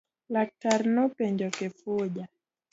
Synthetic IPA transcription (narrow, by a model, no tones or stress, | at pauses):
lak̚taɾnɔpɛɲd͡ʒɔkɛfuʄa